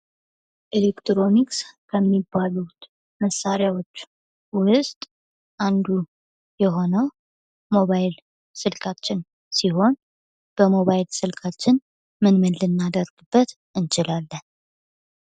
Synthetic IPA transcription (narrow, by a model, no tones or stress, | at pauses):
ʔelekt̪ɾo̞nikskʰəmːibːalut̪ | məsːaɾɪjawo̞t͡ʃː | wʊst̪ʼ | ʔand̪u | jɛɦo̞nəw | mo̞βajl | sɨlkʰʼat͡ʃːɪn | siɦo̞n | b̥əmo̞βajɪlsɨlkʰat͡ʃːɪn | mɨnmɨlːɨnːad̪əɾɡ̥ɨbːət̪ | ɨnt͡ʃɪlalːən